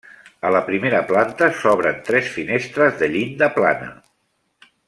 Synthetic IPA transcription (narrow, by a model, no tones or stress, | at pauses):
ələpɾimeɾəplant̪əsɔβ̞ɾənt̪ɾɛsfinest̪ɾəzðəʎind̪əpla̰nə̰